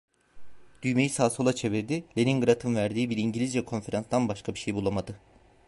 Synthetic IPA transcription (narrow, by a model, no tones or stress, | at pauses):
d̪̥yjme̞jisaːso̞lˠat͡ʃʰe̞viɾd̪ilʲeninɡɯɾat̪ʰɯnvæɾd̪iːbiɾiɲɟilʲizvɛkʰo̞nfe̞ɾanst̪anbaʃkʰabiʃe̞jbulˠamad̪ɯ